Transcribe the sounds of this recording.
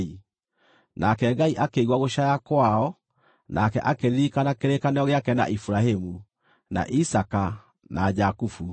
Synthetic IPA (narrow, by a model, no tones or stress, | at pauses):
i | nakɛɡaiʔakeɣwaɣoʃajakwaɔ | nakɛ̰ʔakeɾikanakeɾekanɛɔɣeakɛna̰ʔifuɾahemu | na̰ʔisaka | nad͡ʒakufu